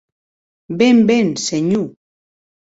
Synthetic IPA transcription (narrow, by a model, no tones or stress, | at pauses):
bembenseɲu